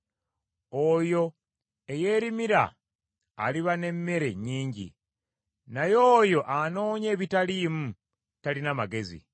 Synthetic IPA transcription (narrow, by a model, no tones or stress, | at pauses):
ojo̞ | eje̞ɾimiɾa̰ː | liβane̞mːe̞ɾe̞ɲiːɲɟḭ | najo̞ːjo̞ʔano̞ːɲe̞ːβitalimu | talinamaɡe̞zḭ